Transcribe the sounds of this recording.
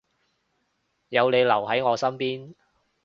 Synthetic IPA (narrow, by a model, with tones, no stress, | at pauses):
jɐ˨˧wne˨˧jlɐ˨˩wɦɐ˨˥jŋɔː˨˧sɐ˥mpiː˥n